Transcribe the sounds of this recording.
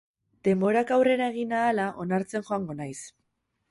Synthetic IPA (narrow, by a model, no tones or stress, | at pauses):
d̪̥e̞mbo̞ɾakawre̞ɾaeɣ̞inaːlaʔo̞naɾt͡se̞nxo̞aŋɡo̞najs